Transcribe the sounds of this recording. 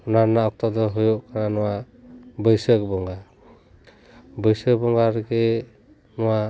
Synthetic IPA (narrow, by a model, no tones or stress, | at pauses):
nanaɔk̚t̪ɔd̪ɔɦɔjɔʔkʰananɔwa | bɯjsəkbɔŋɡa | bɯjsək̚bɔŋɡaɾɡe | nɔwa